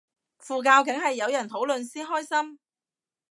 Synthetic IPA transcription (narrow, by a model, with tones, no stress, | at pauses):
fuː˨k̬aː˧wkɪ˨˥ŋhɐ˨jːɐ˨˧wjɐ˨˩nt̪ʰo˨˥wlɵ˨nsiː˥nɦɔː˥jsɐ˥m